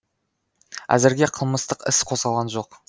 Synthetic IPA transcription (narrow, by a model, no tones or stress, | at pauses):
æ̰zɪɾɡʲe̞qʰəlˠməst̪əqɪsqʰo̞sʁɑlˠʁɑnʒo̞q